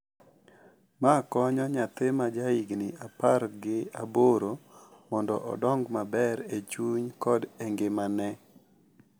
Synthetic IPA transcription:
makɔɲɔɲat̪emad͡ʒaiɡnɪapaɾɡɪaboɾomɔndɔ̰ʔɔ̰dɔŋɡmabɛɾet͡ʃuɲkɔdeŋɡemanɛ

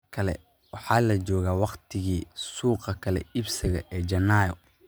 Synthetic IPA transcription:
kʰɐlɛ̰ | wɑħɑːlɐd͡ʒɔːɣaːwɑqt̪ʰɪɣiːsuːqɐkʰɐlɛ̰ɪbsɪɣɐ̰ʔɛːd͡ʒɐnaːjɔ

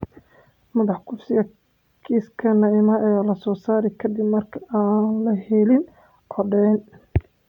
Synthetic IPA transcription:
mɐðɑħkʰʊfsɪɣɐ | kʰiːskʰɐnɐɪmɐɛːlɐsɔːsaːɾɛkʰɐd̪ɪbmɐrkʰɐ̥aːnlɐɦɛlɪn | ʔɔɖɛn

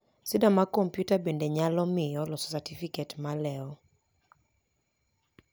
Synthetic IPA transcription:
sɪdamakɔmpjutabendeɲalɔmɪjɔlɔsɔsatifiketmalɛɔ

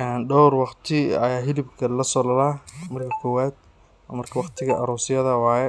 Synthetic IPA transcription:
ʔɛːnɖɔwrwɑqt̪ʰɪɐ̰jaːɦɪlɪbkʰɐlɐsɔːlɐlaːmɐrkʰɐkʰɔːwaːd̪̚ | mɐrkʰɐwɑqt̪ʰɪɣɐʔɐɾuːsɪjɐðɐwɑːjɛ

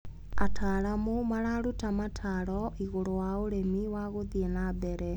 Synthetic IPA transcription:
atʰaɾamomaɾaɾutamatʰaɾɔʔiɣoɾowaoɾemiwaɣoðienabɛɾɛ

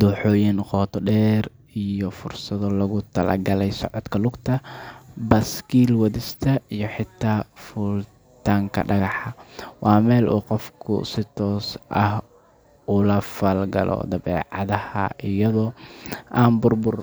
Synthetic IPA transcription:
d̪uːħɔːjɪnqɔːt̪ʰɔɖɛːr | ijɔfʊrsɐðɔlɐɣʊt̪ʰɐlɐ̰ɡɐlɛjsɔ̰ʕɔd̪kʰɐlʊɡt̪ʰɐbɐskiːlwɐðɪst̪ʰɐijɞħɪt̪ʰːaːfuːl | t̪ʰaːŋkʰɐ̰ɖɐɣɑħɐwɑːmɛːlʔṵːqɔfkʰʊ̰sɪt̪ʰɔːsʔɐh | ʊlɐfɐlɡɐ̰lɔ̰d̪ɐβɛ̰ːʕɑ̰ðɐhɐ̰ʔɪjɐðɔːʔaːnbʊrbʊr

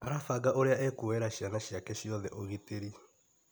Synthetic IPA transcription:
aɾafaɡaʔoɾeaɛkuwɛɾaʃjanaʃjakɛʃiɔðɛʔoɣiteɾi

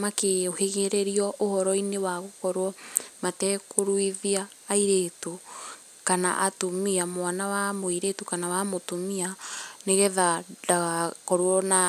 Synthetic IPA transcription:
makeoheɣɛɾɛɾiɔʔohɔɾɔinewaɣokɔɾwɔmatɛkoɾwiðiaːiɾeto | kana̰ʔatomiamwanawamoiɾetokanawamotomianeɣɛðadaɣakɔɾwɔna

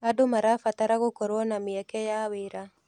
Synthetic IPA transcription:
adʊmaɾafat̪aɾaɣokɔɾwɔnamɪɛkɛjawɪɾa

